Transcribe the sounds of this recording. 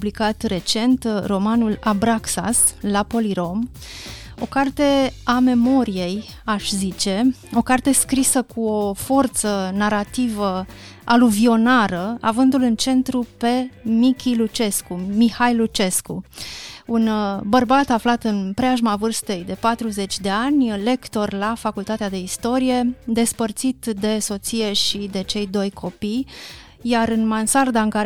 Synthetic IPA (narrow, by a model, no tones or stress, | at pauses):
ublikat̪re̞t͡ʃe̞nt̪ro̞manulabɾaksa̰slapo̞liɾo̞m | o̞kart̪e̞ame̞mo̞ɾije̞j | aʃzit͡ʃe̞o̞kart̪e̞skɾisəkuo̞fo̞rt̪sənaɾat̪ivə | ʔaluvio̞naɾəa̰vɨnd̪ulɨnt͡ʃe̞nt̪ɾupe̞mikʲilut͡ʃe̞skumihajlut͡ʃe̞sku | unbərbat̪aflat̪ɨnpɾeaʒmavɨrst̪e̞jd̪e̞pat̪ɾuze̞t͡ʃʲd̪e̞anʲle̞kt̪o̞rlafakult̪at̪ead̪e̞ist̪o̞ɾije̞d̪e̞spərt̪sit̪d̪e̞so̞t̪sije̞ʃid̪e̞t͡ʃe̞jd̪o̞jkʰo̞pij | jaɾɨnmansard̪aɨŋkaɾ